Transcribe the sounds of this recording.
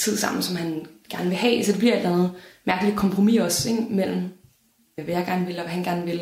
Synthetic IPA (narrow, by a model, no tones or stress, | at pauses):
t͡sʰið̞̰ˠsɑ̈m̰n̩sɒ̽mɦænɡ̥æɐnəʋe̝ɦɛ̰sɒ̽d̥e̝b̥iɐ̰̥lænð̩ˠmæɐɡ̥əlid̥kʰɒ̽mpʰʁo̝mḭɒ̽seɡ̥mel̰m̩ | ʋæjäɪɡ̥æɐnəʋe̝lɒʋæɦænɡ̥æɐnʋe̝l